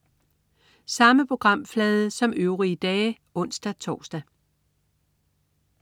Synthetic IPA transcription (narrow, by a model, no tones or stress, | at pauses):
sɑ̈məpʰʁo̝ɡ̥ʁɑ̈m̰flɛːð̞ˠəsɒ̽møʊʁiəd̥ɛː | ɔ̽n̰sd̥æt͡sʰɒ̰ːsd̥æ